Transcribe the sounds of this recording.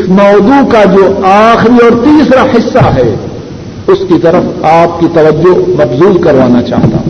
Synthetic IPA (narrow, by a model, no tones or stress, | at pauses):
ɪsmɔːd̪ukad͡ʒoːaːxɾiɔːɾt̪iːsɾaħɪsːaɦɛ | ʊskit̪ɐɾəfaːp̚kit̪ɐʋəd͡ʒːomɐbzuːlkɐɾʋaːnat͡ʃa̰ːɦt̪a̰ː